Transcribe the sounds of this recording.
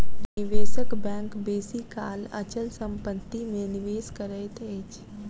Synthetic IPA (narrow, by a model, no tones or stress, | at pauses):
nɪʋeːsəkbɛ̃ːŋkbeːsikaːlə̰t͡ʃəlsə̃mpət̪ːimẽnɪʋeːskəɾəɪt̪eːt͡ʃ